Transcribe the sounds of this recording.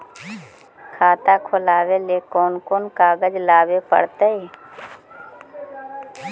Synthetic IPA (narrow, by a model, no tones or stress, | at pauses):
kʰaːt̪akʰʊlaːwelekɔːnkoːnkaːɡəd͡ʒlaːbepə̰ɽt̪əi